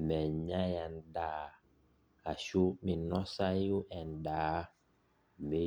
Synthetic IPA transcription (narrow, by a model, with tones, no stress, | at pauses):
mɛ˨ɲa˦ja˨nda˦˨ | a˨ʃu˦mi˨nɔ˦sa˦ju˦ʔɛ˨n˨daː˨˦ | me˦